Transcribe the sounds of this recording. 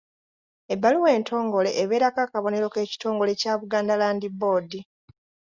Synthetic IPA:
ebːaluwe̞ːntʰo̞ːŋɡo̞le̞ʔːβe̞ːɾakaːkaβo̞ne̞ɾo̞ke̞ːci̥to̞ːŋɡo̞le̞caːβuɡaːndalaːndibo̞ːdi

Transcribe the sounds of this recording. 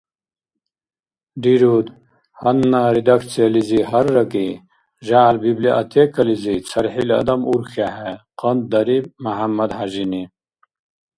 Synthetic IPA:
ɖiɾud̪ | hɐnːaɾid̪ɐkt͡seliziɦɐɾːɐki | ʑaːlbibliʔɐt̪ʰekɐlizit͡sʰɐɾħilɐ̰d̪ɐmuɾxaɦeqɐnd̪d̪ɐɾibmɐɦɐmːɐd̪haʑini

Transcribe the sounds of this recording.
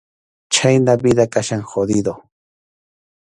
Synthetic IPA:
t͡ʃajnabid̪akaʃaŋxod̪ɪd̪o

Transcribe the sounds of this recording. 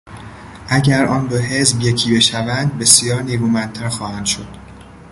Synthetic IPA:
ʔæɟæɾɒːnbeɦe̞zbje̞cʰiːbe̞ʃævænd̪̚be̞sjɒːɾneːɡuːmænd̪̚t̪ʰæɾxɒːhænd̪ʃod̪̥

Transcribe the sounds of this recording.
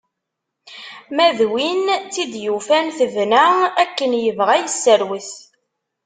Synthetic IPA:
mæðwint͡sid̪jufænθəvnæækːənjəvʁæjəsːəɾwiθ

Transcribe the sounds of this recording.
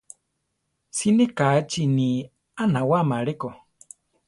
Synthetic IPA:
sinikat͡ʃini | anawamaɺeko

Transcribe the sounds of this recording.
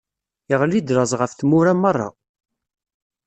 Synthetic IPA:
əʁlid̪ɾˤəzˤʁəfθmʊɾæmərˤːɑ̰

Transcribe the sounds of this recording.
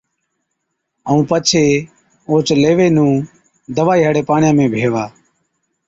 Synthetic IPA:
əũːpət͡ʃʰeː | oːt͡ʃleːʋeːnũː | d̪əʋaːiːɦəɽeːpaːɳɪjãːmẽːbʱeːʋaː

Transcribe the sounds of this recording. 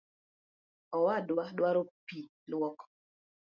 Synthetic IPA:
ɔwadwaɗwaɾopi | lwɔk

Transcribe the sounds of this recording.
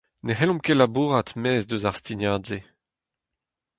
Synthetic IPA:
neɦɛlɔ̃mkelabuːʁat̪mɛːzd̪øzaʁst̪iɲjaːdze

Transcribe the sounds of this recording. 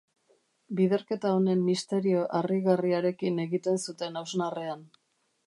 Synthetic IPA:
biðe̞ɾke̞t̪aone̞mːist̪e̞ɾio̞ʔariɣariaɾe̞kine̞ɣit̪e̞nsut̪e̞nawznarean

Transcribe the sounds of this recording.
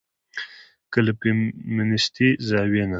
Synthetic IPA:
kələpemɪnɪst̪izɑwena

